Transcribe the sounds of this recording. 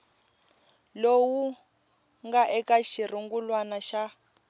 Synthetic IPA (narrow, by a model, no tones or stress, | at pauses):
lowu | ŋɡaʔɛkaʃir̤uŋɡulwanaʃa